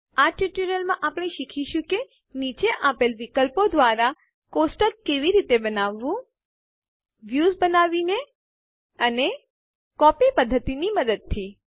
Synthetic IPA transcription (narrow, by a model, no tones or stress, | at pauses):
aʈuʈuɾəlmãʔapɽ̃eʃikʰiʃũke | nit͡ʃeʔapelʋikəlpod̪ʋaɾa | kosʈəkkeʋiɾit̪ebənaʋːũ | ʋjuzbənaʋine | əne | kɔpipəd̪ʱːət̪iniməd̪əd̪̚t̪ʰi